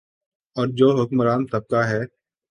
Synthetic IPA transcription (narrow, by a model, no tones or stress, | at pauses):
ɔːɾd͡ʒoːɦʊkmɾaːnsɐb̚kaɦɛː